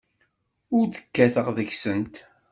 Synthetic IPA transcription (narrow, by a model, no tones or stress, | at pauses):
ʊɾd̪ə̥kːæθəʁðəçsənt̪